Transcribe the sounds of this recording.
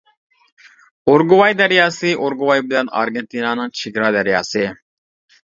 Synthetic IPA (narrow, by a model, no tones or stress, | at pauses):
oɾɡuwɑjd̪æɾijɑsɨʔoɾɡuwɑjbɪlɛnɑ̰ɾɡent̪inɑnɨŋt͡ʃʰiɡɾɑd̪æɾijɑsɨ